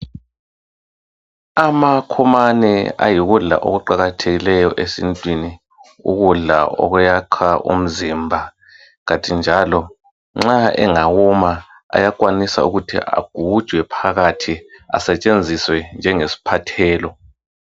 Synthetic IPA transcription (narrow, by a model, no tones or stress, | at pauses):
amakʰumanɛ̰a̰jiɣuɮa̰ʔo̰ɣuǃaɣatʰeɣilɛjɔʔesḭntʼwini | ṵɣuɮa̰ʔɔ̰ɣujaǃʰaʔṵm̩zimbʱa | ɣatʼind͡ʒʱalɔ | ŋ͡ǁaɛ̰ŋaɣuma | a̰jakʼwanisa̰uɣutʰḭʔa̰ɡ̥ʱu̥ʒ̥ʱwɛpʰaɣatʰia̰sɛt͡ʃʼend͡zʱiswɛnd͡ʒʱɛŋesi̥pʰatʰɛːlɔ